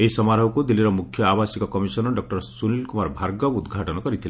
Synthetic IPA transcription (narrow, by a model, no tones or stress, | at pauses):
eisɔmaɾɔwkud̪ilːiɾɔmukʰjɔabasikɔkɔmisɔnɔɖɔk̚ʈɔɾsunilkumaɾbʱaɾɡɔud̪ɡʱaʈɔnɔkɔɾit̪ʰila